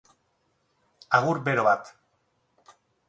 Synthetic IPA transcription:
aɣuɾbe̞ɾo̞βat̪

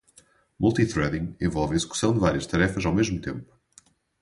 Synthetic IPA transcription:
mulˠt̪it̪ɾɛðĩŋẽvɔlˠvɐizɨku̥sɐ̃w̃d̪ɨvaɾiɐʃt̪ɐɾɛfɐzawmeʒmut̪ẽmpu̥

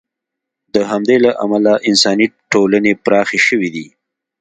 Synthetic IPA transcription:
d̪əɦamd̪elaʔa̰malaʔɪnsɑniʈolanepɾɑxeʃəwid̪i

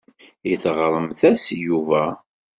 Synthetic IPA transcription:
iθʁɾˤəmθæsjuvæ

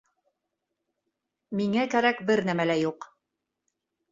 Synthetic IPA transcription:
miŋækæɾækbɘɾnæmælæjuq

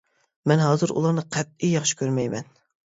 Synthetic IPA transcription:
mɛnɦɑːzɨɾṵlˠɑɾnɨqʰɛt̪̚ijɑχʃi̥kʲʰøɾmɛjmɛ̰n

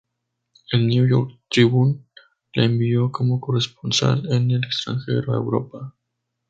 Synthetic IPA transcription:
elnjujo̰ɾk̚t̪ɾiβun | laembio̞ko̞mo̞ko̞respo̞nsa̰lenelekst̪ɾa̰ŋxe̞̰ɾoaewɾo̞̰pa

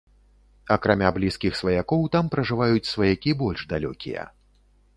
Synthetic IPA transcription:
ɐkɾamʲablʲiskʲixsvɐjakɔwt̪ampɾɐʐɨvajut͡sʲsvɐjakʲibɔlʲʐd̪alʲɔ̰kʲḭjɐ̰

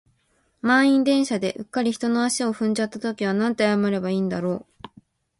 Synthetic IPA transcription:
mãɰ̃ĩnd̪ẽ̞ɰ̃ɕad̪e̞ʔɯ̟kːaɾʲiçi̥t̪o̞noaɕio̞ɸɯ̟̃ɲ̟d͡ʑat̪ːat̪o̞kʲiβ̞anãnt̪e̞ajamaɾe̞baiːnd̪aɾo̞ː

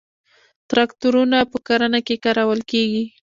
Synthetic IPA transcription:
t̪ɾɑkt̪uɾunapəkaɾanakekaɾawəlkeɡi

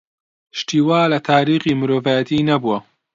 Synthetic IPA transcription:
ʃt̪iːwaːlɐt̪ʰaːɾiːxiːmɨɾoːvaːjɐt̪ʰiːnɐbuwɐ

